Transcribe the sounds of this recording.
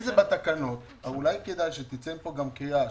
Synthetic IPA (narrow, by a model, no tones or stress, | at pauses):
zebat̪akano̞t̪ | aulajked̪ajʃet̪it͡senpo̞ɡamkeja